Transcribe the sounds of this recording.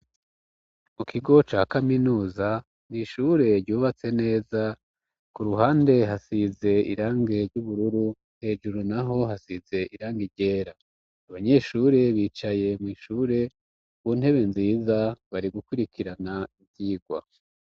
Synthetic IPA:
mukʰiɡo̞t͡ʃakaminuːza | niʃuɾe̞ɾɟuːβat͡se̞ne̞ːza | kuɾuɦaːnde̞ɦasize̞ḭɾaːŋɡe̞ɾɟuβuɾuɾu | he̞ːʒuɾunaɦo̞ɦasize̞ʔiɾaːŋɡiɾɟe̞ːɾaː | βaɲe̞ʃuɾe̞βiːt͡ʃaje̞mwiʃuːɾe̞ | βun̥he̞βe̞nziːzaβaɾiɡukuɾikʰiɾanaivjiːɡwa̰

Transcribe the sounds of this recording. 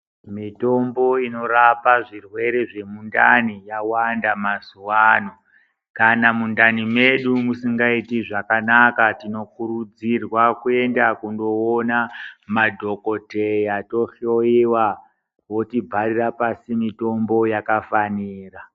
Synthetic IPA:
mito̞mbo̞ino̞rapaʐirwe̞ɾe̞ʐe̞mundanijawandamazuwaːno̞ | kanamundanime̞ɗumusiŋɡaitiʐakanakatino̞kuɾud͡zirwakue̞ndakundo̞onamadʱo̞ko̞tejato̞ɬo̞iwa | wo̞tibʱarirapasimito̞mbo̞jakafaniːra

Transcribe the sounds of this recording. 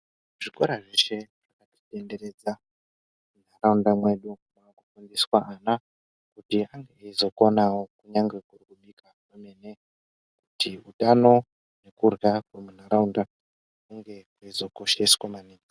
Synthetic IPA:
ʐ̥iko̞ɾaʐeʃe̞ʐʐakati̥te̞nde̞ɾe̞d͡za | mun̤araundamwe̞ɗumaːkukondeswaʔana | kutiaŋɡeizo̞konawokuɲaŋɡe̞kurikuɓika | ame̞ne | kutiutano̞ | ne̞kurɡakwemun̤aɾaunda | kuŋɡe̞kaizo̞ko̞ʃe̞swamaniː

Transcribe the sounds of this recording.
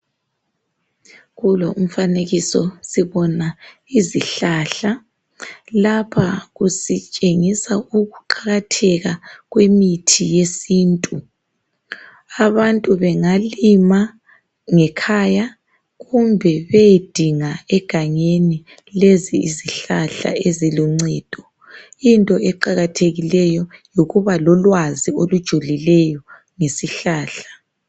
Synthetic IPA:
ɣuloum̩faneɣisɔsiβɔna | iziɬaɬa | lapʰaɣusit͡ʃʼeŋisauɣuǃaɣatʰɛɣaɣwemitʰijesiːntʼu | aβantʼuβɛŋalima | ŋɛkʰaja | ɣumbʱɛβejed̥ʱiŋaɛɡ̥ʱaŋeni | leziːziɬaɬa̰ezilɔŋ͡ǀɛːd̥ʱɔ | intʼɔɛǃaɣatʰeɣilɛjɔjoɣuβalɔlwaziolud̥ʒ̥ʱulilɛjɔ | ŋesiɬaːɬḁ

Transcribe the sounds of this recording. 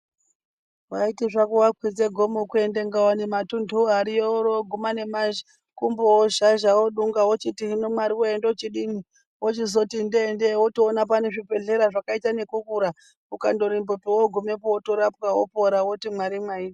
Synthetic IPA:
waitiʐakuwakʰwid͡zeɡʱo̞mokue̞ndeŋɡawanematundʱuaɾijoɾoɡʱumane̞mand͡ʒi | kumbowoʒaʒawoɗuŋɡawot͡ʃitiɦinomwaɾiwoendeot͡ʃiɗini | wot͡ʃizo̞tindendewotoːnap̬aneʐibe̞ɮe̞ɾaʐakaitane̞kukuɾa | ukando̞ɾimbopiwoɡʱumepootoɾapkawopoɾawotimwaɾimwaie

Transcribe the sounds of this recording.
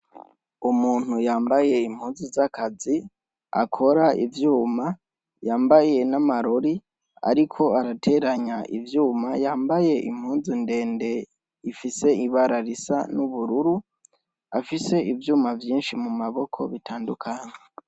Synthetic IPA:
umuːn̥hujaːmbaje̞imhuːnzizakʰazi | a̰kʰo̞ɾaḭvjuːma | jaːmbaje̞namaɾo̞ɾi | a̰ɾikʰo̞aɾatʰe̞ɾaɲaʔḭvjuːmajaːmbaje̞ʔḭmhuːnzinde̞ːnde̞ | ifise̞iβaɾaɾisa̰nuβuɾuɾu | afise̞ʔivjuːmavjiːnʃimumaβo̞kʰo̞̰βitʰaːndukʰaɲa

